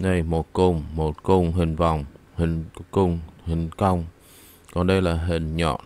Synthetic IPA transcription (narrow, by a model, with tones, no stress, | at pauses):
na˧jmo˨˩t̚kʊ˧ŋ͡mmo˨˩t̚kʊ˧ŋ͡mɦï˨˩ŋ̟va˨˩wŋ͡mhi˨˩ŋ̟kʊ˧ŋ͡mhï˨˩ŋ̟kə˧wŋ͡m | kɔ˨˩nɗə˧jlaː˨˩ɦï˨˩ŋ̟ɲɔ̰˧˨n